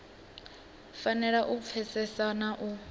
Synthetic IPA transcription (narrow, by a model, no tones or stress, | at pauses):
fanɛɺaʔup̪fʰɛsɛsanaʔu